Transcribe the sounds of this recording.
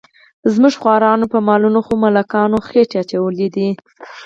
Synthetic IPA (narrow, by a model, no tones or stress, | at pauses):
zmuʒxwɑɾɑnopəmɑlunoxomalakɑnoxeʈeat͡ʃawəlid̪i